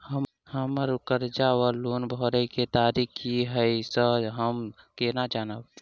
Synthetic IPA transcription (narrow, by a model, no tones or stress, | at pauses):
hə | həməɾʊkəɾd͡ʒaːwəloːnbʱoɾəiket̪aːɾikʰjiɦəjsəɦəm | kenad͡ʒaːnəb̪